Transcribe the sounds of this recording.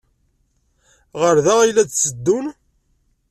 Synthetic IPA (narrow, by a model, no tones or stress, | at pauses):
ʁəɾðæʁijlːæt͡sːəd̪ːun